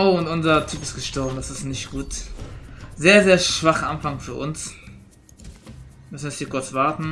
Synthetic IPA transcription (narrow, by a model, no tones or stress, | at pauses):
ʊʊntʊnzɐtʰyːpɪstɡ̥əsʃtɔɐbm̩dasɪstnɪʃtɡ̥uːt | zeːɐzeːɐʃv̥aχəanfaŋfyːɐʔʊ̰ns | mʏsnɛsiːkʰʊɐt͡svaʁtn̩